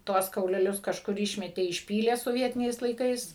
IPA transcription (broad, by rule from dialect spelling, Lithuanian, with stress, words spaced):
ˈtuɔs kɐʊlʲɛˈlʲʊs kɐʃˈkʊr ˈɪʃʲmʲɛtʲeː ɪʃʲˈpʲiːlʲeː soːˈʋʲiɛtʲɪnʲɛɪs lˠɐɪˈkɐɪs